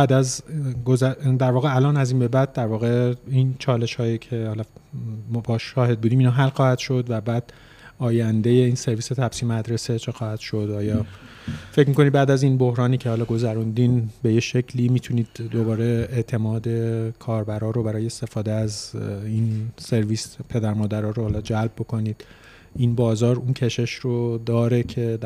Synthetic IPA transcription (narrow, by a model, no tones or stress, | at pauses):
bæd̪æzɡozæd̪æɾvɒːɣe̞ælɒːnæziːnbe̞bæd̪̚d̪æɾvɒːɣe̞int͡ʃʰɒːle̞ʃhɒːjecʰe̞hɒːlɒmbɒːʃɒːhe̞d̪buːd̪iːmiːnɑːɦælxɒːhæd̪̥ʃo̞d̪væbæd̪̥̚ | ɒːjænd̪ejeiːnse̞ɾviːse̞t̪ʰæb̥siːmæd̪ɾe̞se̞t͡ʃʰexɒːhæd̪̥ʃo̞d̪ɒːjɒː | fe̞cmiːkʰonid̪̚bæːd̪æzinbo̞hɾɒːniːcʰehɒːlɒːɡo̞zæɾund̪inbe̞jeʃe̞cʰliːmiːt̪ʰuniːd̪̥ːo̞bɒːɾe̞eʔt̪ʰe̞mɒːd̪e̞kʰɒːɾbæɾɒːɾobæɾɒːjeest̪e̞fɒːd̪eæzinse̞ɾviːspʰe̞d̪æɾmɒːd̪æɾɒːɾohɒːlɒːd͡ʒælb̚bo̞kʰo̞niːd̪̥ | inbɒːzɒːɾuncʰe̞ʃeʃrod̪ɒːɾe̞cʰe̞